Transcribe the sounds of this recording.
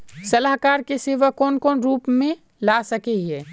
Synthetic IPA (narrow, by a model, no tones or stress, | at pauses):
sɐlaɦkaːɾkeseːʋəkɔːnkɔːnɾuːpmẽ | laːsɐkeɛː